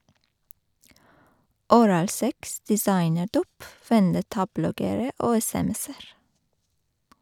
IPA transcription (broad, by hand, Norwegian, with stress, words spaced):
ʊˈɾɑːlˌsɛks dɛˈsɑɪnəˌɖuːp ʋɛnˈdɛtɑˌblɔɡəɾə ˈoː ɛsɛˈmɛs ˈæːɾ